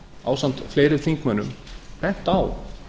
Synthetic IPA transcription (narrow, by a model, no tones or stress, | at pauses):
a̰ːwsan̥t̪fleːjɾɪðθiŋkmœnːʏmpɛn̥t̪aw